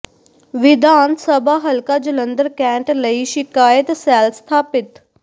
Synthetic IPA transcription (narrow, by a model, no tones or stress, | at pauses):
ʋid̪ʱaːnsəbʱaɦɐlkad͡ʒulənd̪əɾkæɳʈləiʃikaːjət̪salst̪ʰaːpɪt̪